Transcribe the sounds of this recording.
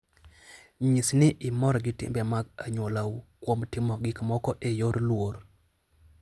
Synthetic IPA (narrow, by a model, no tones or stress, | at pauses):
ɲisnɪʔɪmɔɾɔɡɪtɪ̰mbɛmaɡaɲwolawukwomtɪmɔɡɪkmɔkɔʔejoɾlwoɾ